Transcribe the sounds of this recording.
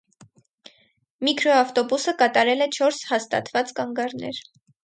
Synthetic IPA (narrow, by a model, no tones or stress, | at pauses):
mikʰɾɔɑft̪ɔbusəkɑt̪ɑɾɛlɛt͡ʃʰɔɾshɑst̪ɑ̰t̪vɑt͡skɑŋɡɑɾnɛ̰ɾ